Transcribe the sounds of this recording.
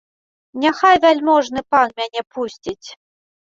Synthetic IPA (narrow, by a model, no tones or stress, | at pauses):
nʲaxajvʲælʲmɔʐnɨpanmʲanʲɛpʰusʲt͡sʲit͡sʲ